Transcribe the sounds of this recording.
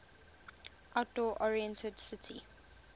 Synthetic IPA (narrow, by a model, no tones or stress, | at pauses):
ʔaʊt̚d̥ɔːʔɔɹiɛ̃ntʰədsɪtʰḭ